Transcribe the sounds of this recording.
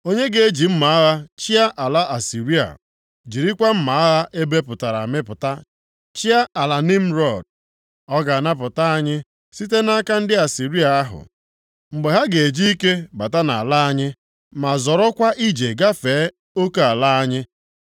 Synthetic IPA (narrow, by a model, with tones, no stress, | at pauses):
o˦ɲe˦ɡe˨e˦d͡ʒi˨m̩˦ma˨a˦ɣa˦t͡ʃi˦a˦ʔa˨la˦ʔa˨si˨ɾi˦a̰˨ | d͡ʒi˨ɾi˦kʷa˦m̩˦ma˨a˦ɣa˦ʔe˦be˦pʊ˨ta˨ɾa̰˨mɪ˦pʊ˨ta˦ | t͡ʃi˦a˦a˨la˨ni˦m̩˦ɾɔ˦˨d̚ | ɔ˦ɡa˨a˨na˦p̬ʊ˨ta˦a˦ɲɪ˦ | si˦t̬e˦na˦ka˦n̩˦dɪ˦a˨si˨ɾi˦a˨a˦ɦʊ̰˨ | ŋ͡m̩˨ɡ͡be˨ɦa˦ɡe˨e˨d͡ʒi˦i˦ke˦ba˨ta˦na̰˨a˨la˦a˦ɲɪ˦ | ma˨zɔ˨ɾɔ˦kʷa˦ʔi˦d͡ʒe˨ɡa˦feː˨˦ | o˦ko˦a˨la˦a˦ɲɪ˦